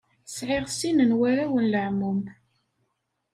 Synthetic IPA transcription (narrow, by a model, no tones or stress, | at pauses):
sʕɪʁsinənwæɾæwənləʕmum